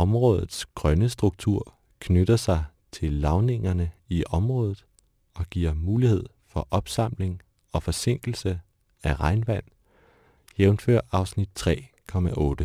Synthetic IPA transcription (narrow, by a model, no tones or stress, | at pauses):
ɒ̽mʁɔ̽ːðˠð̩ˠsɡ̥ʁɶnəsd̥ʁuɡ̥̚t͡sʰuɐ̰ | kʰnød̥ɐsɑ̈ɪ | t͡sʰe̝lːɑ̈ʊne̝ŋɐnəiʔɒ̽mʁɔ̽ːðˠð̩ˠ | ɒ̽ɡ̥iɐ̰muːlihe̝ð̞̰ˠfɒ̽ʔɒ̽b̥sɑ̈m̰le̝ŋ | ɒ̽fɒ̽se̝ŋ̰ɡ̥l̩sə | æʁɑ̈ɪnʋæn̰ | j̥eʊnfø̰ɐ̰ɑ̈ʊsnid̥̚t͡sʰʁɛ̰ːkʰɒ̽mæʔɔ̽ːd̥ə